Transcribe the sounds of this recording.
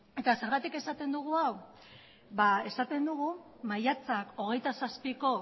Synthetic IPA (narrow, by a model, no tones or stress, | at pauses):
e̞t̪ase̞ɾɣat̪ike̞sat̪e̞nd̪uɣ̞uaw | bae̞sat̪e̞nd̪uɣ̞umajat͡sako̞ɣ̞e̞jt̪asaspiko̞